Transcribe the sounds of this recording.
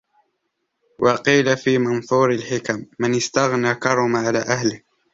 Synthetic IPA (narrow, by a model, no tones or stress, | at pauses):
wʔɑqiːlafiːmɑnθˤuːɾalħɪkamːɪnɪst̪aɣnaːkɑɾˤʊmaʕala̰ːʔahlɪh